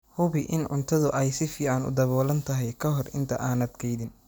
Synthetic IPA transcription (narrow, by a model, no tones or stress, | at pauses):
hʊβɪʔɪnʕʊ̰nt̪ʰɐðʊʔɛjsɪfiːʕanʊ̰d̪ɐβɔːlɐnt̪ʰɐɦɛjkʰɐɦɔrɪ̰nt̪ʰɐ̰ʔaːnɐd̪kʰɛjðɪn